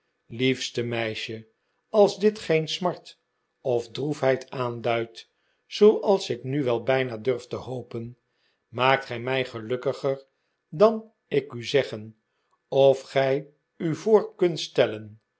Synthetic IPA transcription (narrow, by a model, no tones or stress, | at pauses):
lifstəmɛjʃə | ɑlˠzdɪtχejnsmɑɹt | ɔfdrufɦɛjtaːndœɥt | sowʔɑlˠsɪknyʋɛlˠbɛjnadøɹftəhowpən | maːk̚tχɛjmɛjχəlɵkəχəɹ | dɑn | ɪkyzɛχən | ɔfχɛj | yvoːɹkɵntstɛlən